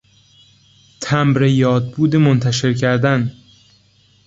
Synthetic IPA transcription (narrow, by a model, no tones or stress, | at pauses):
t̪ʰæmɾejɒːd̪̚buːd̪emont̪ʰæʃe̞ɾcʰæɾd̪æn